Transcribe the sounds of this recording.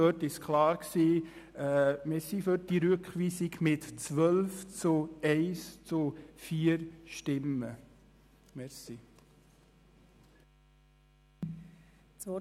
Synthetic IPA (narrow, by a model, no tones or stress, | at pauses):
œtɪskʰlɑːɾksiː | ɛmɪɾsifød̥iɾʉkχʋiːsɪɡmɪtt͡sʋœlft͡sʊɛɪst͡sʊfiːəɾʃtɪmə | mɛɾsi | t͡sɔ